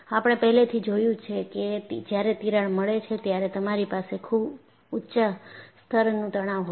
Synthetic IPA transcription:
apəɽ̃epəɦlet̪ʰid͡ʒojũt͡ʃʰekeid͡ʒjaɾet̪iɾaɭməɭet͡ʃʰet̪jaɾet̪əmaɾipasekʰub | utːʃəst̪ʰəɾnũt̪əɽ̃aʋɦo

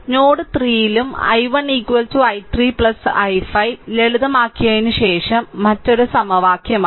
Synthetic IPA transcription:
noːɽɨt̪riːjilumɐ̰jʋɐniːkːʋɐltuɐjt̪riːpɭɐsɐjfɐjʋleɭuðɐmaːkːiɣɐjinɨɕe̞ːʂɐmːɐtːo̞ɾusɐmɐʋaːkʰjɐma

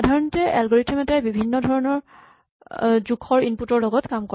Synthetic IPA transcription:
adʱaɹɔntɛʔɛlɡɔɹitʰɛmɛtɛbibʱinːɔdʱɔɹɔnɔɹ | zukʰːɔɹinputɔɹlɔɡɔtkamkɔ

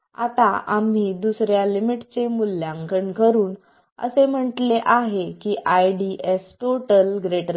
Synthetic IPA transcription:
a̰t̪aʔam̤iːd̪usɾjalimiʈt͡semulːjãŋkəɳkəɾuːn | ə̰sem̤əʈleʔaɦekiːʔajɖiʔesʈoʈəlɡɾeʈɾ

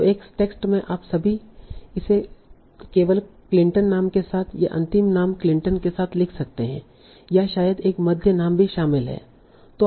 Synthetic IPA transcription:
eːksʈeːksʈmẽʔaːpsɐbʱiɪse | keːʋəlklɪ̃ɳʈə̃nːaːmkesaːt̪ʰjḛʔɐ̰̃nt̪ɪmnaːmklɪ̃ɳʈənkesaːt̪ʰlɪkʰsɐk̚t̪eɦɛ̰̃ | jaʃaːjəd̪eːkmɐd̪ʱjənaːmbʱiʃaːmɪlɦɛ̰ː | t̪oː

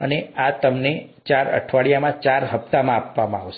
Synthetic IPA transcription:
əneat̪əmnet͡ʃaɾə̰ʈʰʋaɭjamãt͡ʃaɾɦəpt̪amãapʋamãaʋʃe

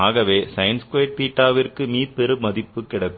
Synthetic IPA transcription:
aːɣɐʋeːsɐjnskeːʈ̚piːʈːaːʋɪrkɯmiːɾpɛɾɯmɐðɪpːɯkːɪɽɐkː

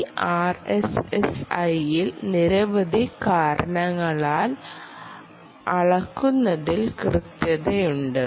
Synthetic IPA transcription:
aːresesɐjilniɾɐʋɐd̪ʱikaːɾɐɳɐŋːɐɭaːl | ɐɭɐkːunːɐðilkrɨt̪jɐðejuɳɖɨ

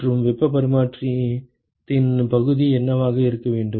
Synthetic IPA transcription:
rɯmʋɛpːɐpɐɾɪmaːʈri | t̪ɪnpɐɣɯðiɛnːɐʋaːɣɐɪɾɯkːɐʋeːɳɖɯ

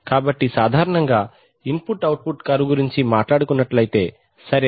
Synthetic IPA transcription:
kaːbɐʈːisaːd̪ʱaːɾɐɳɐŋɡaː | impuʈːɐwʈ̚puʈkaːɾuɡuɾiɲt͡ʃimaːʈlaːɽukunːɐʈlɐjit̪e̞ː | sɐɾe

